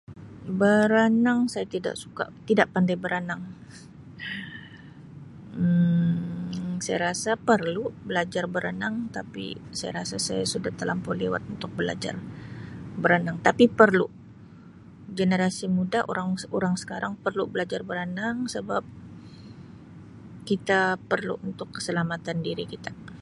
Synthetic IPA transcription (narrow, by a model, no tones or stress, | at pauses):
bəɾanaŋsajat̪ida̰ʔsu̥ka̰t̪idaʔpandajbəɾanaŋ | sajaɾasapərlubəlad͡ʒarbəɾanaŋt̪apḭsaja̰ɾasasajasudaht̪əlampɔlewa̰t̪̚unt̪ʊk̚bəla̰d͡ʒa̰r | bəɾanaŋt̪apipərlu | ɡenəɾasimudaʔoɾaŋoɾaŋsə̥kaɾaŋpərlubəlad͡ʒarbəɾənaŋsəbap̚ | kit̪apərlṵʔunt̪ʊkːə̥səlamat̪andiɾikit̪ḁ